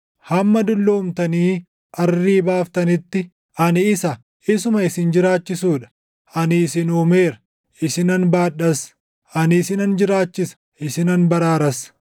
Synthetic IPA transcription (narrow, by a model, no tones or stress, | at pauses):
hɐmːɐd̪ʊlːoːmt̪ɐniː | ʔɐrːiːbaːft̪ɐnɪt̪ːɪ | ʔɐnɪːsɐ | ɪsʊmɐɪsɪnd͡ʒɪɾaːt͡ʃːɪsuːᶑɐ̥ | ʔɐnɪːsɪnuːme̞ːɾɐ | ʔɪsɪnɐnbaːᶑɐs | ʔɐnɪsɪnɐnd͡ʒɪɾaːt͡ʃːɪsɐ̥ | ɪsɪnɐnbɐɾaːɾɐs